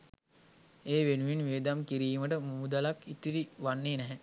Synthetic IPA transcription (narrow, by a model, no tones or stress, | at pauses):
eːʋenuʋinʋeːd̪amkiɾiːməʈəmuud̪alakit̪iɾiʋanːeːnɛɦɛ